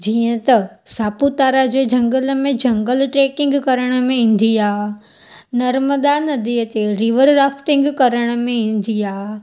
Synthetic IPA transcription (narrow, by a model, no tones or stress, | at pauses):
d͡ʑiːə̃t̪ɐsaːput̪aːɾad͡ʑeːd͡ʑɐ̃ŋɡəlmẽd͡ʑɐ̃ŋɡəlʈɾeːkɪ̃ŋɡkɐɾəɽ̃ə̆mẽĩːn̆d̪ʱiaːɦ | nɐɾməd̪anɐd̪iət̪eɾiʋəɾɾaːfʰʈɪ̃ŋɡkɐɾəɽ̃ə̆mẽĩːn̆d̪ʱiaːɦ